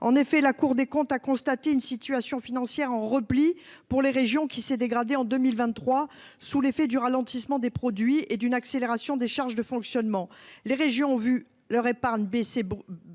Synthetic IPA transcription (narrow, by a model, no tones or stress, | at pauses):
ɑ̰̃nefɛlakuʁd̪ekɔ̃t̪akɔ̃st̪at̪eynsit̪ɥyasjɔ̃finɑ̃sjɛʁɑ̃ʁəpli | puʁleʁeʒjɔ̃kʲisɛd̪eɡʁad̪eɑ̃d̪ømilvɛ̃t̪ːχwa | sulefɛd̪yʁalɑ̃t̪ismɑ̃d̪epχɔd̪ɥied̪ynakseleʁasjɔ̃d̪eʃaʁʒd̪əfɔ̃ksjɔnmɑ̃leʁeʒjɔ̃ɔ̃vy | lœʁepaʁɲbese